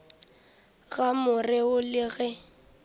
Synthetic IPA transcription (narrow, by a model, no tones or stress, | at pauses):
ɣamʊrɪʊlɪɣɛ